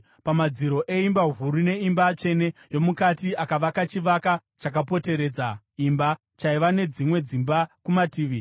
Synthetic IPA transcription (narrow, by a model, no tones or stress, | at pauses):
pamad͡ziɾo̞ʔe̞imbaɦuɾune̞imbat͡ʃe̞ne̞jo̞mukatiakaʋakat͡ʃiʋakat͡ʃakapo̞te̞ɾe̞d͡za | imba | t͡ʃaiʋane̞d͡zimwe̞d͡zimbakumatiːʋi